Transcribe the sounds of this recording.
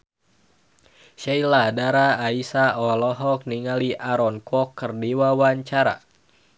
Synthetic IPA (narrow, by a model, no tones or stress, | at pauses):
ʃailadaɾaːisaɔlɔɦɔk̚niŋaliʔaɾɔnkɔkːərdiwawaɲt͡ʃaɾa̰